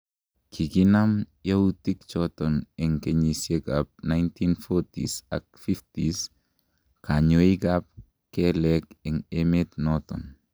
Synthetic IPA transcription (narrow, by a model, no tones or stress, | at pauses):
kʰikinamjautik̚t͡ʃɔtɔnɛŋkeɲisjeɡap̚najntinfɔtḭsa̰k̚fiftis | kaɲoiɡap̚ | kɛlɛkɛŋemet̪nɔtɔ̰n